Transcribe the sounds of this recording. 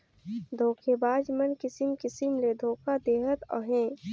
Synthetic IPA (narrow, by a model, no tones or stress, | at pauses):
d̪ʱoːkʰebaːd͡ʒmɐnkɪsimkɪsimleːd̪ʱoːkad̪eːɦət̪ɔ̰ɦẽː